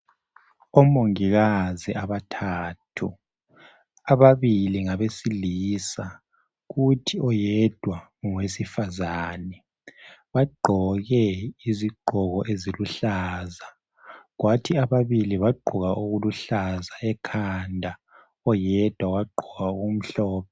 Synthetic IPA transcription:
ɔmoŋiɣaziʔaβatʰaːtʰu | aβaβiliŋaβesiliːsa | ɣutʰiɔjɛd̥ʱwa | ŋwesifazaːnɛ | βaɡ͡ǃʱɔɣɛiziɡ͡ǃʱɔɣɔʔeziluɬaːza | ɣwʔatʰiaβaβiliβaɡ͡ǃʱɔɣaʔuɣuluɬazaɛkʰandʱa | ɔjɛd̥ʱwawaɡ͡ǃʱɔɣauɣum̩ɬɔːpʰɔ

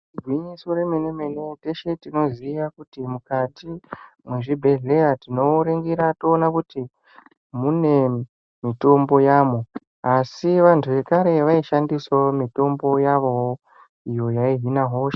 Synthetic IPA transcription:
ɡʱwiɲiso̞ɾe̞menemenete̞ʃe̞tino̞ziːʋakutimukatimwe̞ʐibʱe̞ɮe̞jatino̞ɾeŋɡiɾato̞ːnakuti | mune̞ | mito̞mbo̞jaːmo | asiʋantʰuʋe̞kaɾe̞ʋaiʃandiswamito̞mbo̞jaʋo̞wo | ijo̞jaiɦinaɦo̞ːʃḁ

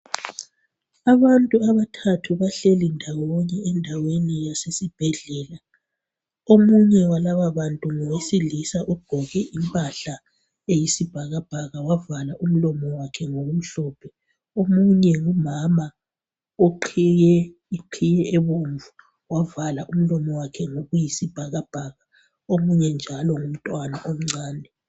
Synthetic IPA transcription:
aβantʼuaβatʰatʰuβaɬelindʱawɔɲɛɛndʱawenijasesib̥ʱɛɮɛːla | omuɲɛwalaβaβantʼuŋɔwesilisaʔub̥ʱɔɣɛʔimpʼaɬa | ejisib̥ʱaɣab̥ʱaɣawavalaʔum̩lɔmɔwakʰɛŋoɣum̩ɬɔːpʰɛ | omuɲɛŋumama | oǃʰijɛ | iǃʰijɛɛβoɱvu | wavalaʔum̩lɔmɔwakʰɛŋoɣujisib̥ʱaɣab̥ʱaːɣa | omuɲɛnd͡ʒʱalɔŋum̩tʼwanaʔom̩ŋ͡ǀaːnɛ

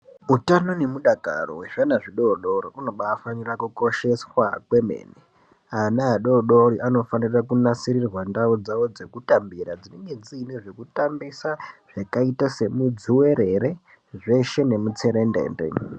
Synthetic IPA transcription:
utano̞ne̞muɗaka̰ro̰we̞ʐanaʐiɗo̞ɗo̞riuno̞ɓaːfanirakuko̞ʃe̞swakwe̞mḛːne | anaɦaɗo̞ɗo̞ɾiʔano̞fanirakunasiɾirwandaod͡zawo̞d͡ze̞kutambirad͡zine̞ŋɡe̞d͡ziːneʐe̞kutambisaʐ̥akaitase̞mud͡ziwe̞ɾeɾe̞ | ʐe̞ʃe̞ne̞mut͡se̞ɾe̞ndḛːmbḛ

